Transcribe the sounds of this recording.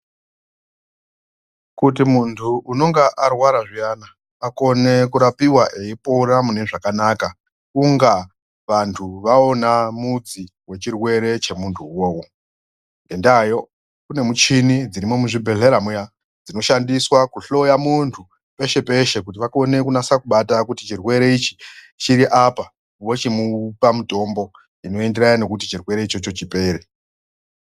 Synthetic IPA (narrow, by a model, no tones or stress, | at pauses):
kut̬imuntʰuʔuno̞ŋɡaʔarwaɾaʐianaː | ko̞ne̞kuɾapiwaʔe̞ipoɾamune̞ʐakanaka | uŋɡa | ʋantʰuʋaonamud͡zi | we̞t͡ʃirwe̞ɾe̞t͡ʃe̞muntʰuwoːwo | ndendajo̞ | kune̞mut͡ʃinid͡ziɾimo̞muʐibʱe̞ɮeɾamuja | d͡zino̞ʃandiswakuɬo̞jamuntʰu | pe̞ʃe̞pe̞ʃe̞kut̬iʋako̞ne̞kunasakuɓatakutit͡ʃirwe̞ɾe̞it͡ʃi̥ | t͡ʃiɾiʔapa | ʋo̞t͡ʃimupamuto̞mbo̞ | ino̞e̞ndeɾajane̞kut̬it͡ʃirwe̞ɾe̞it͡ʃo̞t͡ʃot͡ʃipe̞ːɾe